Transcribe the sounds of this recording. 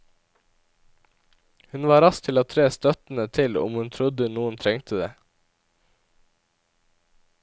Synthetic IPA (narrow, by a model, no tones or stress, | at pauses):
hʉnʋɑːɾɑst̪ʰɪloːt̪ʰɾeːst̪œt̪n̩ət̪ʰɪlʊ̰mhʉnt̪ʰɾʊd̪ənuːənt̪ʰɾɛŋt̪ʰəd̪ḛː